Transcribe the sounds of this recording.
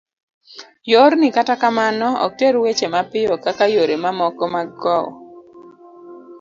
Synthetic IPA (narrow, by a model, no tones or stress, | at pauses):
joɾnɪkatakamanɔɔ̰k̚teɾwet͡ʃemapɪjɔkakajoɾemamɔkɔmaɡɔw̰